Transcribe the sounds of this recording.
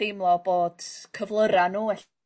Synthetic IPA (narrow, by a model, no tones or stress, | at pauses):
ejmlˠɔboːd̥kʰəvlˠəɾanuːɛɬ